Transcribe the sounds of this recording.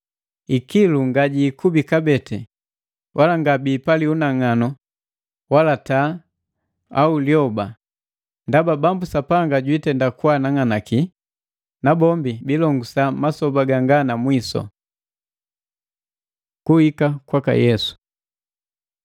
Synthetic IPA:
ikiluŋɡaɟiːkubikabɛtɛ̰ | wʔalaŋɡabiːpaliunaŋanɔ | walata | auljɔba | ndababambusapaŋɡaɟwitɛndakwanaŋanaki | nabɔmbibilɔŋɡusamasɔbaɡaŋɡanamwisɔ̰ | kuhikakwaka̰jɛsu̥

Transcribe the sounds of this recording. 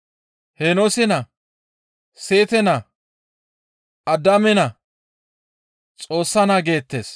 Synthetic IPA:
henosɪnɐ | se̞ːt̪ɛnɐ | ɐd̪ɐmɛnɐ | t͡sʼo̞ːsːɐnaɡe̞ːt̪ːes

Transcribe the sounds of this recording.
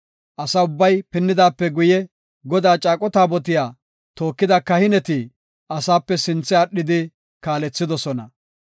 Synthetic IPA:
ʔɐsɐʊbːɐjpɪnːɪd̪aːpːɛɡʊjɛ | ɡɔd̪aːt͡ʃʼaːkʼɔt̪aːbɔt̪̬ɪjaː | t̪o̞ːkːɪd̪ɐkɐhɪnɛt̪i | ʔɐsaːpːɛsɪnt͡sːɛɐɗːɪd̪ɪ | kaːlɛt͡sːɪd̪ɔsɔnɐ̰

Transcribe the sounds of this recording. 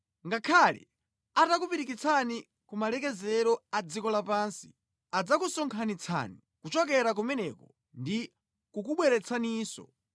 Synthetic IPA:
ŋɡakʰalɛ̰ | atakupiɾikit͡sʰani | kumalɛkɛzɛɾɔad͡zikɔlapaːnsi̥ | ad͡zakusɔŋkʰanit͡sʰa̰ni | kut͡ʃɔk̬ɛɾak̬umɛnɛkɔ | ndi | kukuɓwɛɾɛt͡sʰaniːsɔ̰

